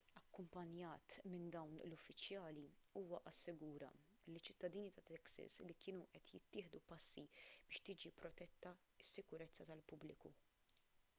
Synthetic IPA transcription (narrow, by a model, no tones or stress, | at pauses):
ɐkːʊmpɐnjɐːt̪mɪnd̪ɐwnlʊfːɪt͡ʃjɐːliuːwɐʔɐsːɪɡuːɾɐ̰lit͡ʃːɪt̪ːɐd̪iːnit̪ɐt̪ɛksɪ̰slikɪːnuʔɛt̪jɪt̪ːɪːħd̪upɐsːib̥ɪːʃt̪ɪːd͡ʒipɾɔt̪ɛt̪ːɐ | ɪsːɪkʊɾɛt͡sːɐt̪ɐlpʊblɪ̰kṵ